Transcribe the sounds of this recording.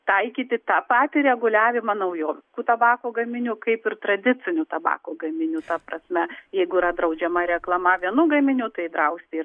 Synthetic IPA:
t̪ɐɪkʲiːt̪ʲɪt̪ɑːpɑːt̪ʲɪɾʲɛɡʊlʲæːʋʲɪmɐnɐʊjoːʋʲkuːt̪ɐbɑːkoːɡɐmʲɪnʲukɐɪpɪrt̪ɾɐd̪ʲɪt͡s̪ʲɪnʲuːt̪ɐbɑ̰ːkoːɡɐmʲɪnʲut̪ɐpɾɐsʲmʲɛjɛɪɡʊiɾɐd̪ɾɐʊd͡ʒʲɛmɐɾʲɛklˠɐmɐʋʲiɛnuːɡɐmʲɪnʲut̪ɐɪd̪ɾɐʊsʲt̪ʲɪi

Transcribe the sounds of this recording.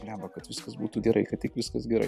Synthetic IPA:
nʲæːʋɐkɐt̪ʋʲɪskɐsbuːt̪uːɡʲɛɾʔɐɪkɐt̪tʲɪkʋʲɪskɐsɡʲɛɾɐ̰ɪ

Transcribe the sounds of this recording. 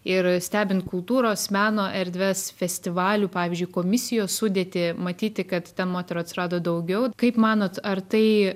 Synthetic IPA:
ɪɾsʲt̪ʲæːbʲɪnt̪kʊlˠt̪uːɾoːsmʲæːnoːʔɛɾʲd̪ʲʋʲɛsfʲɛsʲt̪ʲɪʋɑːlʲuːpɑːʋʲɪːzʲd͡ʒʊɪkoːmʲɪsʲɪjoːssʊd̪ʲeːt̪ʲɪmɐt̪ʲiːt̪ʲɪkɐt̪t̪ʲɛnmoːt̪ʲɛɾoːt̪ʲsʲɪɾɑːd̪oːd̪ɐʊɡʲɛʊkɐɪpmɑːnoːt̪ɐrt̪ɐɪ

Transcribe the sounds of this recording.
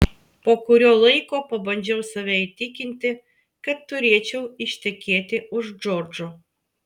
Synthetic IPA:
poːkʊɾʲoːlˠɐɪkoːpɐbɐnʲd͡ʒʲɛʊsɐʋʲɛit̪ʲɪkʲɪnʲt̪ʲɪ | kɐt̪ːʊɾʲeɛt͡ʃʲɛʊɪʃʲt̪ʲɛkʲeːt̪ʲɪʊʒd͡ʒɔːɾd͡ʒo

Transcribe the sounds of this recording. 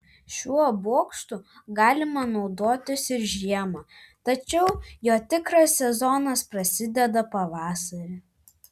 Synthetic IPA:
ʃʲuɔboɔkst̪ʊ | ɡɑːlʲɪmɐnɒʊd̪oːt̪ʲɪsɪɾʒʲiɛmɑːt̪ɐt͡ʃʲɛʊjoːt̪ʲɪkɾɐsːʲɛzɔnɐspɾɐsʲɪd̪ʲɛd̪ɐpɐʋɑːsɐɾʲɪ

